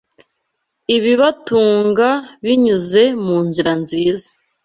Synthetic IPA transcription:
iβiβatuːŋɡaβiɲuze̞muːnziɾanziːza

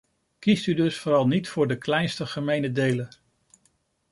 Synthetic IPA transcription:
kistydɵsfʊːɾɑlˠnitfʊːɹdəklɛjnstəχəmejnədejlə

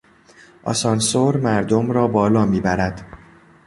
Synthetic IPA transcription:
ʔɒ̰sɒnsoɾmæɾd̪omɾɒːbɒːlɒːmiːbæɾæd̪̥

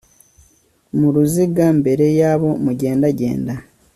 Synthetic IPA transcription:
muɾuziɡambe̞ɾe̞jaːβo̞muɟe̞ːndaɟe̞̰ːnda

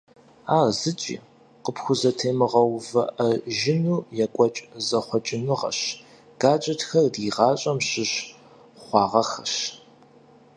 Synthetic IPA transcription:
aːrzɨt͡ʃʼḭː | qəpʰxʷʊzɐtʰeːmɨʁɐwvɐ̰ʔɐʒɪnuːjɛkʷʼɔt͡ʃʼzɐχʷɔt͡ʃʼɪnɨʁɐ̰ɕ | ɡ̥aːt͡ʃʼɐtxɐrdiːʁɑːɕʼɐmɕɪɕ | χʷɑːʁɐxɐʃ

